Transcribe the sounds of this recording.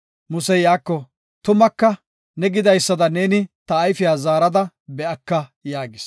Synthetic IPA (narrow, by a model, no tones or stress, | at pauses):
mʊsɛjaːkːɔ | t̪ʊmɐkːɐ | nɛɡɪd̪ɐjsːɐd̪ɐneːnɪt̪ɐːjfɪjaːzaːɾɐd̪ɐ | bɛʔɐkːɐjaːɡɪs